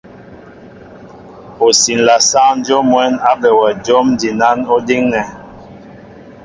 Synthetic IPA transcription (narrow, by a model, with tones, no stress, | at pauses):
o˨si˨n˨la˨sa˦n˦d͡ʒo˦mwɛ˦na˦bɛ˨wɛ˨d͡ʒo˦m˦di˨na˦no˦di˦ŋnɛ˨